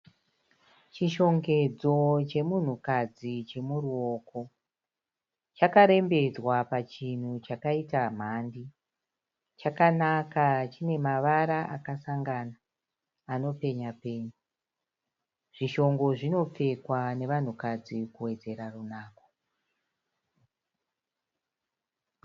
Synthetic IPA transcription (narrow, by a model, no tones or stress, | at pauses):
t͡ʃiʃo̞ŋɡe̞d͡zo̞t͡ʃe̞mun̤ukad͡zit͡ʃe̞muruo̞ko̞ | t͡ʃakaɾe̞mbe̞d͡zwapat͡ʃin̤ut͡ʃakaitam̤andi | t͡ʃakanakat͡ʃine̞maʋaɾaʔakasaŋɡanaː | no̞pe̞ɲape̞ːɲu | ʐ̥iʃo̞ŋɡo̞ʐino̞p͡fe̞kwane̞ʋan̤ukad͡zikuwe̞d͡ze̞ɾarunaːko̥